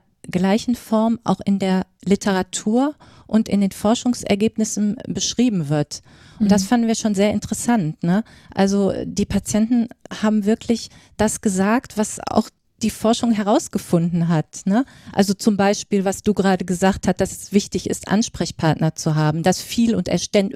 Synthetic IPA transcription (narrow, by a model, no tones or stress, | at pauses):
ɐ | ɡlaɪçn̩fɔɐmʔa̰ʊxɪndeːɐlɪtʰəʁ̞atʰuːɐ | ʔʊntʔɪ̰ndeːnfɔɐʃʊŋsʔɛ̰ɐɡeːpnɪsn̩bəʃʁ̥iːbm̩vɪɐt | ʔʊnntd̥asfandn̩viːɐʃoːnzeːɐʔɪntəʁɛsantnə | ʔa̰lzo̰diːpʰat͡sjɛntn̩haːbm̩vɪɐkʰlɪçd̥asɡ̥əzaːktv̥asa̰ʊx | d̥iːfɔɐʃʊŋɦɛʁaʊsɡ̥əfʊndn̩ɦatnə | ʔa̰lzot͡sʊmbaɪʃpiːlvasd̥uːɡʁaːdəɡəzaːkthast̚d̥asɛsv̥ɪçtɪçɪ̰stʔa̰nʃpʁ̥ɛçpʰaɐtnɐt͡suɦaːbm̩d̥asfiːlʊntɛ̰ɐʃtɛn